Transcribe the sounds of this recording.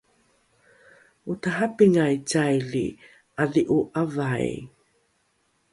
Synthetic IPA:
utaɦapiŋajt͡sajlḭ | ʔaðiʔuʔavaj

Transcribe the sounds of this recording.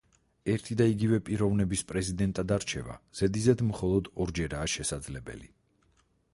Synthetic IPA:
ɛɾt̪ʰid̪aiɡivɛpʼiɾɔvnɛbispʼɾɛzid̪ɛnt̪ʼad̪aɾt͡ʃʰɛva̰z̥ɛd̪izɛd̪mχɔlˠɔd̪ɔɾd͡ʒɛɾaːʃɛsad̪zlɛbɛ̰lḭ

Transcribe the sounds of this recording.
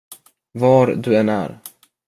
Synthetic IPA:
vɑɾd̪ɵɛnæ̰ɾ

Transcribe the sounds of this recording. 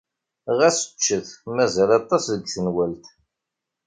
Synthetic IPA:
ʁæsə̥t͡ʃːəθmæzælɑt̪ˤːɑsðəɡθənwælt̪

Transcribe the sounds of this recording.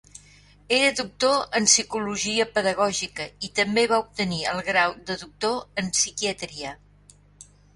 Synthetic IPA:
eɾəðuk̚t̪oənsikuluʒiəpəðəɣ̞ɔʒikəit̪əmbeβaup̚t̪əniəlˠɣɾawd̪əðuk̚t̪oənsikiət̪ɾiə

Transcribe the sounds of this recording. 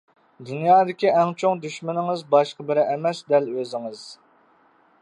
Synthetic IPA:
d̪unjɑːd̪ɪkʲiʔɛŋt͡ʃʰoŋd̪yʃmɪnɪŋɨzbɑʃqəbɪɾɪʔɛmɛsd̪ɛløzɪŋɨz̥

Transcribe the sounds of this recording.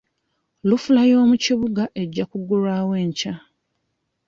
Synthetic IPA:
lufulajo̞ːmuciβuɡaʔe̞ɟːakuɡuɾaːwe̞ːɲca

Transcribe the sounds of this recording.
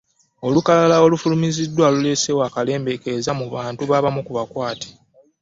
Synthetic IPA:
o̞lukalalao̞lufulumizidːwalule̞se̞waːkale̞ːmbe̞ke̞zamuβaːntuβaːβamukuβakwaːte̥

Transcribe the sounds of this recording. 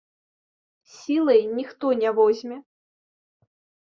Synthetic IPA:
sʲilˠɐjnʲixt̪ɔnʲɛvɔzʲmʲɛ

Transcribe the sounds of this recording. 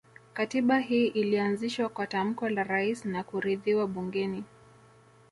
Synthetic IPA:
katiɓaɦiːʔilianziʃwakwatam̩kɔlaɾaisnakuɾiðiwaɓuŋɡɛni

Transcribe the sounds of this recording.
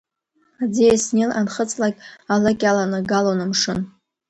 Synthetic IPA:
ad͡ziasnilanχət͡sʼlakʲʼalakʲʼalanaɡalonɨmʂɨn

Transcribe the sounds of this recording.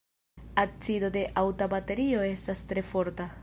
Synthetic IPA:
at͡sido̞de̞ʔawtabate̞ɾio̞e̞stastɾe̞fo̞ɾta

